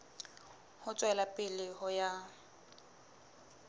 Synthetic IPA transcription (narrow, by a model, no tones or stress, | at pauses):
hʊt͡sʼwɛlapʼɪlɪhʊja